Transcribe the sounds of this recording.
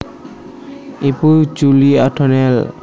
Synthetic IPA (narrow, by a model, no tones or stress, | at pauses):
ipud͡ʒuliatʰɔnɛl